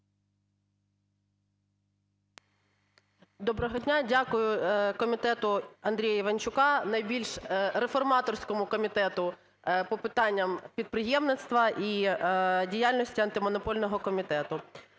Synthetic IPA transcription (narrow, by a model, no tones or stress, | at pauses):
d̪ɔbɾɔɦɔdʲnʲadʲakʊjʊkɔmʲit̪ɛt̪ʊɐnd̪ɾʲijɐiʋɐnʲt͡ʃʊkɑnɐjbʲilʲʃrefɔrmɑt̪ɔrsʲkɔmʊkɔmʲit̪ɛt̪ʊ | pɔpɪt̪ɑnʲːɐmpʲid̪̚pɾɪjɛmnɪt̪st̪ʋɐʔi | dʲijalʲnɔsʲtʲiɐnt̪ɪmɔnɔpɔlʲnɔɦɔkɔmʲit̪ɛt̪ʊ